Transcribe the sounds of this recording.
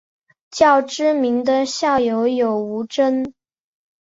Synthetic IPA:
t͡ɕjɑ˥˩ʊʈ͡ʂɻ̩˥mi˧˥ŋd̪ə˧ɕjɑ˥˩ʊjo˧˥ʊjo˨˩ʊu˧˥ʈ͡ʂə˥n

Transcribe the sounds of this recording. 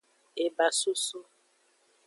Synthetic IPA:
e˨ba˨su˦su˦

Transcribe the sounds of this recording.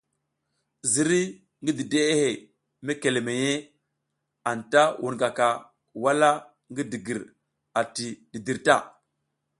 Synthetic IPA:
zi˨ɾi˦ | ŋɡi˦di˨de˦e˦he˨ | me˦ke˨le˨me˨je˦ | a˨nta˦wu˨nɡa˨ka˨ | wa˦la˦ | ŋɡi˦di˨ɡi˨ɾ | a˨ti˨ɗi˨di˨ɾta˦˨

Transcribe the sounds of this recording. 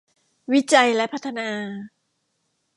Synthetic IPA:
wi˦˥t͡ɕa˧jlɛ˦˥pʰa˦˥t̪ʰːa˧naː˧

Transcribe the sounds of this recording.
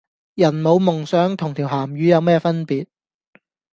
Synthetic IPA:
jɐ˨˩nmo˨˧wmʊ˨˩ŋsœː˨˥ŋt̪ʰʊ˨˩ŋt̪ʰiː˨˩wɦaː˨˩mɥyː˨˧jɐ˨˧wmɛː˥fɐ˥npiː˨t̚

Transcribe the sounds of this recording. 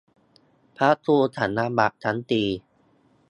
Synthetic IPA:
pʰa˦˥t̪ʰuː˧t̪ʰa˩˦nːa˧˥ba˨˩ʔ̚t͡ɕʰa˦˥nt̪iː˧

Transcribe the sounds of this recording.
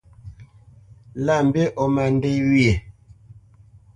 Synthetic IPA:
la˦˨m̩˨be˦ʔo˨ma˨n˦de˦wi˦e˨

